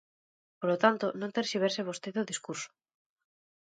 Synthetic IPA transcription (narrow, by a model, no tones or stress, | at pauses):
polot̪ant̪onõnt̪eɾʃiβ̞eɾseβ̞ost̪eðoðiskuɾso̥